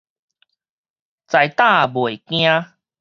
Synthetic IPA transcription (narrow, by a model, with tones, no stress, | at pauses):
t͡sa˨˩jt̪ã˥˧˨bwe˨˩˨kj̃ã˦